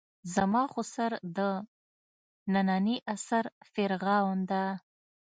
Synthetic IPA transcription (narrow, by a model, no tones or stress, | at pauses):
zamɑxosaɾd̪ə | nananiʔasaɾfɪɾɣɑwnd̪a